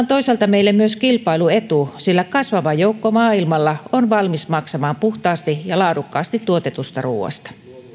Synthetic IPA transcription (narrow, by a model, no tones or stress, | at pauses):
nt̪oisɑlt̪ɑmeilːemmyøskilpɑiluet̪usilːækɑsʋɑʋɑjoukːomɑːilmɑlːɑonʋɑlmismɑksɑmɑːmpuxt̪ɑːst̪ijɑlɑːdukːɑːst̪it̪ːuot̪e̞t̪ust̪ɑrṵːɑ̰st̪ɑ̥